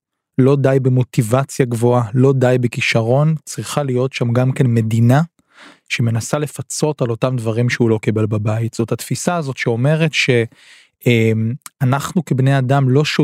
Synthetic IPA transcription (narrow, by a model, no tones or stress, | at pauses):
lo̞dajbemo̞tivat͡sjaɡvo̞alo̞dajbekiʃaʁo̞nt͡sʁiχalijo̞tʃamɡamke̞nme̞dina | ʃeme̞nasale̞fat͡so̞talo̞tamdvaʁimʃeulo̞kibe̞lbabajitz̥o̞that̪fisaːzo̞tʃeo̞me̞ʁe̞tʃe̞ | emanaχnukebneadamlo̞ʃo